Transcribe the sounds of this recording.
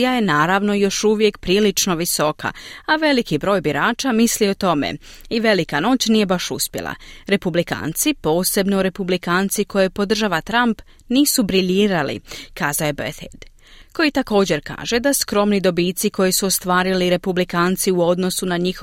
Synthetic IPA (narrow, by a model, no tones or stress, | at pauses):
jaje̞naːɾaʋno̞jo̞ʃuʋje̞kpɾiːlit͡ʃno̞ʋiso̞kʰa̰aʋe̞likibɾo̞ːjbiɾaːt͡ʃamislio̞t̪o̞mḛiʋe̞likano̞ːt͡ɕnije̞baʃuspjela̰ɾe̞publika̰ːnt̪sipo̞ːse̞bnoɾe̞publikaːnt̪sikʰo̞jepo̞d̪r̩ʒaʋat̪ɾamp | niːsubɾiʎiːɾalḭkaːzaoje̞bḛθḛd̪̥ | ko̞jit̪ako̞ːd͡ʑe̞ɾka̰ːʒe̞d̪askɾo̞mnid̪o̞biːt̪siko̞jesuost̪ʋaːɾiliɾe̞publikaːnt̪siuo̞d̪no̞sunaɲix